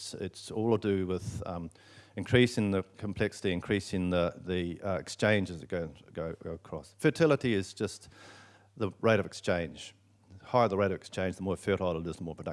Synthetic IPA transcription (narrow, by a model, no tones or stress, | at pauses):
sɪ̰tsɔlˠədʉwɪð̥ | ɨ̃nkʰɹ̥isɪ̃ŋðəkʰmpʰl̥ɛksə̥ɾiɨ̃nkʰɹ̥isɪ̃ŋðəðiɪkst͡ʃʰẽɪ̃nd͡ʒɨzɨɡ̥oʊ̃ɡ̥oʊɡoʊəkʰɹ̥ɔsfə˞tʰɪlˠəɾiɪzd͡ʒʌst̪ | ðəɹeɪɾʌvɨkst͡ʃʰẽɪ̃n̥ʒ̥ | haɪə˞ðəɹeɪɾʌvɨkst͡ʃʰẽɪ̃nd͡ʒðəmɔɹfɜɾlˠəlɪzmɔɹpʰədʌ